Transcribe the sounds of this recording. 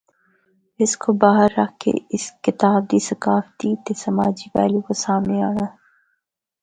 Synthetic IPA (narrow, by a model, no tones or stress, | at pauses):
ɪskobaːɦəɾːɐkkḛɪskɪt̪aːb̚d̪isɐkaːft̪it̪esɐmaːd͡ʒibɛ̰ːlukosaːmneaːnaː